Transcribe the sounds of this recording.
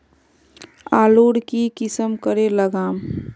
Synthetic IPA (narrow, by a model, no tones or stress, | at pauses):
aːloːɽkikɪsəmkəɾeləɡaːm